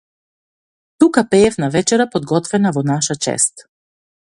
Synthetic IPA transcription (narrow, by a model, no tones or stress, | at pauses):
t̪ukapɛːfnavɛt͡ʃɛɾapɔd̪̚ɡɔt̪vɛnavɔnaʃat͡ʃɛ̰st̪